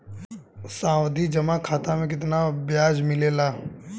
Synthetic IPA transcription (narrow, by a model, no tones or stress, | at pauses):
sãːwd̪ʱid͡ʒɐmakʰaːt̪ãmẽk̬ɪt̪nabjaːd͡ʒmɪleːlaː